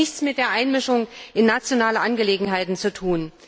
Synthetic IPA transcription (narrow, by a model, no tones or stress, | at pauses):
ɪçt͡smɪt̚d̥eːɐʔaɪnmɪʃʊŋʔɪnːat͡sjonaːləʔanɡəleːɡŋ̩ɦaɪtn̩t͡sutʰuːn